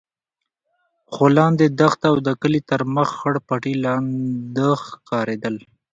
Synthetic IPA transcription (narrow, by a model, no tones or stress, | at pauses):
xolɑnd̪ed̪axt̪awd̪əkəlit̪əɾməxːəɽpaʈilɑnd̪əxkɑɾed̪əl